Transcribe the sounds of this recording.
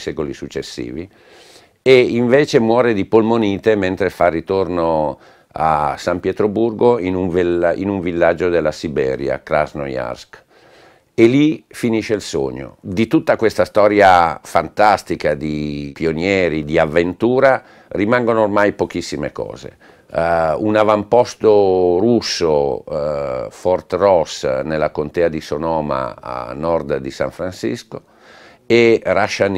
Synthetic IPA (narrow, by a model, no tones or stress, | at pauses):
sɛkolisut͡ʃːesːḭːvi | eiɱveːt͡ʃemwɔːɾed̪ipolmoniːt̪ement̪ɾefarːit̪orno | a̰sampjɛt̪ɾoburɡoinuɱvḭnuɱvilːad͡ʒːod̪elːasibɛ̰ːɾja̰kla̰zno̰ja̰rsk | elːifiniʃeilso̰ɲːo̰d̪it̪ut̪ːakwest̪ast̪ɔːɾjafant̪ast̪ikad̪ipionjɛːɾid̪iavːent̪uːɾa | rimaŋɡonoormajpokisːimḛkɔ̰ːzḛ | unavampɔst̪orusːo | fɔrt̪rɔsnelːakont̪ɛːad̪isonɔːma̰a̰nɔrd̪d̪isa̰ɱfɾansḭsko | eraʃːan